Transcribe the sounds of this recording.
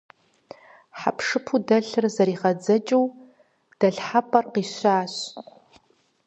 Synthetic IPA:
ħa̰pʰʂɨpʰudɐɬɨrzɐɾiːʁɐd͡zɐt͡ʃʼɨw | d̥ɐɬħapʰʼɐrqiːɕʷaːɕ

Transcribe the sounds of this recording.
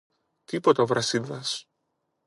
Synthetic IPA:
t̪ipot̪ɐovɾɐsinðɐs

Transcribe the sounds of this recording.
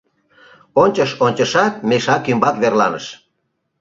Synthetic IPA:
onʲt͡ɕəʃonʲt͡ɕəʃɑt̪̚meʃɑkymbɑkβerlɑ̰nə̰ʃ

